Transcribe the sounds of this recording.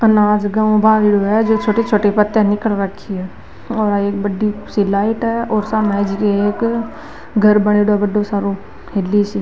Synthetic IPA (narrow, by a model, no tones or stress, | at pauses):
ənaːd͡ʒɡaːõbãːʋiɽoɦɛd͡ʒoːt͡ʃʰoːʈit͡ʃʰoːʈepət̪ːənɪkəlɾəkʰːiɛː | ɔːɾaːeːkbəɖisilaːɪʈɦɛɔːɾsamɛːd͡ʒkeeːk | ɡʱəɾbəɽ̃eːɽobəɖːosaːɾõ | heːlːisi